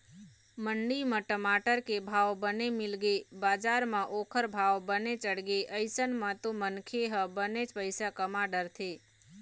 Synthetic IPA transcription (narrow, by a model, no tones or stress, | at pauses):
məɳɖimãʈəmaʈəɾkebʱaʋbənemɪlɡebaːd͡ʒaɾmãʔoːkʰəɾbʱaʋbənet͡ʃəɽɡeʔəɪsənmãt̪omənkʰeɦəbənet͡ʃpəɪsakəmaɖəɾt̪ʰe